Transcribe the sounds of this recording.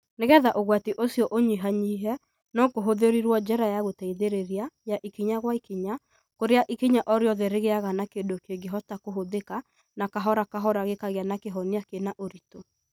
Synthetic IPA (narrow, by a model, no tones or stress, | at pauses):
neɣɛðaʔoɣwatiʔosiɔʔoɲiɦaɲiɦɛ | nɔkoɦoðeɾiɾwɔd͡ʒɛɾajaɣotɛiðeɾeɾiajaʔikiɲaɣwaikiɲa | koɾeaʔikiɲaʔɔɾeɔðɛɾeɣeaɣanakendokeɡeɦɔtakoɦoðeka | nakaɦɔɾakaɦɔɾaɣekaɣeanakeɦɔniakenaʔoɾito